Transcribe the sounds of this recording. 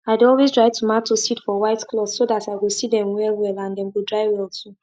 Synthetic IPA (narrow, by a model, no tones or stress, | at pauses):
aɪdɔlwezdɹaɪtʰumatːositfɔwaɪtklɔθsodataɪɡosidɛ̃mwɛlwɛlãndɛ̃mɡodɹaɪwɛltʰu